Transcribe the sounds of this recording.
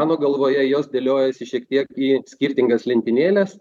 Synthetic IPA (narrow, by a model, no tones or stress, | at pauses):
ɑːnoːɡɐlˠʋoːjɛjoːsd̪ʲeːlʲoːjɛsʲɪʃʲiɛkt̪ʲiɛkiːsʲkʲɪɾʲt̪ʲɪŋɡɐslʲɪnʲt̪ʲɪnʲeːlʲes